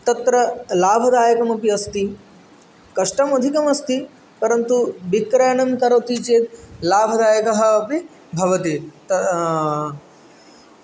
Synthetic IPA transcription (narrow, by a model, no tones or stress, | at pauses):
t̪ɐt̪ɾɐlaːbʱɐd̪aːjɐkɐmɐpiɐst̪i | kɐʂʈɐmɐd̪ʱikɐmɐst̪i | pɐɾɐnt̪ubikɾɐjɳɐmkɐɾɐt̪it͡ʃeːt̪̚laːbʱɐd̪aːjɐkɐɦɐ̆ːpi | bʱɐʋɐt̪it̪ɐ